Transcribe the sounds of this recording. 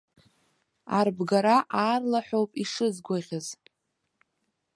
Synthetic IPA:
arbɡaɾaʔaːrlaħʷᶣowpʼiʂɨzɡʷaʁʲaz

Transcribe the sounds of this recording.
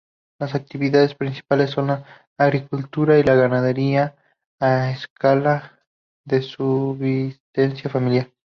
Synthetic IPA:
lasak̚t̪iβiðaðe̞spɾinsi̥pale̞sːo̞nlaː | ɣɾikult̪uɾailaɣanaðe̞ɾiaː | eskala | ðe̞suβist̪ensjafamiljaɾ

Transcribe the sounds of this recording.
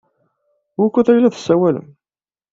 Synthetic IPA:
wʊkʷːəθæjlæðə̥sːæwælə̰m

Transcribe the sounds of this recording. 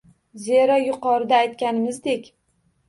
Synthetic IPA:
zeɾɒjʊqɒɾɪd̪aːjt̪kʲanɪmɪzd̪ekʲ

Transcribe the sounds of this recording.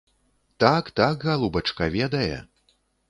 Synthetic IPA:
t̪akt̪akɣalˠubɐt͡ʂkɐvʲɛd̪ɐjɛ̰

